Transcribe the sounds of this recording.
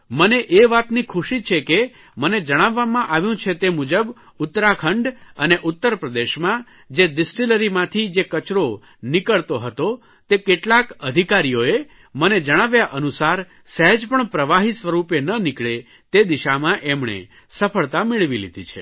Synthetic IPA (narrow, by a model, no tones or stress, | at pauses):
məneʔeʋat̪nikʰuʃit͡ʃʰeke | məned͡ʒəɽ̃aʋːamãʔaʋjũt͡ʃʰet̪emud͡ʒəb | ʊt̪ːɾakʰəɳɖəneʔut̪ːəɾpɾəd̪eʃmã | d͡ʒeɖɪsʈiləɾimãt̪ʰid͡ʒekət͡ʃɾo | nɪkəɭt̪oɦət̪o | t̪ekeʈlakəd̪ʱikaɾijoe | məned͡ʒəɽ̃aʋjaʔənusaɾ | səɦəd͡ʒpəɳpɾəʋaɦisʋəɾupenənikɭe | t̪ed̪iʃamãʔemɳḛ | səfʰəɭt̪amɪɭʋilḭd̪ʱḭt͡ʃʰḛ